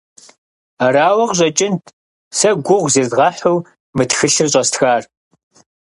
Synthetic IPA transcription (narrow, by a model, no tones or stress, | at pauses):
araːwɐʁʑʷʼɐt͡ʃʼɪntʰ | sɐɡʷʊʁʷzeːzʁɐħuw | mɨtxɨɬɨrɕʷʼɐstʰxaːr